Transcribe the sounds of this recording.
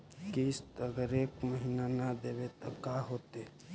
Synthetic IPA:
kist̪ɐɡəɾeːkməɦinanəd̪eːbet̪əbkaɦoːt̪e

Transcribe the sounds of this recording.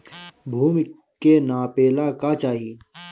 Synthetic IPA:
bʱuːmi | keːnaːpeːlaːkaːt͡ʃaːɦiː

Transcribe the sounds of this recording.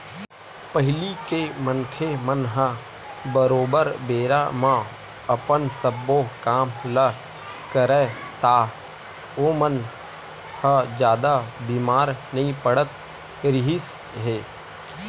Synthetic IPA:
pəɦɪlikemənkʰemənɦə | bəɾoːbəɾbeːɾamã | ɐpənsəbokaːmlə | kəɾet̪aː | omən | həd͡ʒjaːd̪abiːmaːɾnəɦĩpəɽət̪ | ɾɪɦɪs | ɦeː

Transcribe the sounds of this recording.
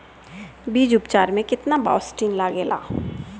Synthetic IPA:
biːd͡ʒʊpt͡ʃaːɾmẽkɪt̪naba̰ːʊsʈiːnlaːɡeːla̰ː

